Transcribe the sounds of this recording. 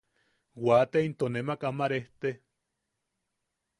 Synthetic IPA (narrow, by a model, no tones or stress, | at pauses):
wat̪eint̪onemakamaɾeht̪e